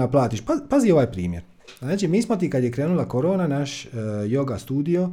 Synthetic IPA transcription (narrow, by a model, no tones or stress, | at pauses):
aplˠaːt̪iʃpapazio̞ʋaːjpɾḭːmjeɾ | znaːt͡ʃimiːsmot̪̬ikad̪jekɾe̞ːnulˠakoɾoːnanaʃjo̞ɡast̪uːd̪ijo̞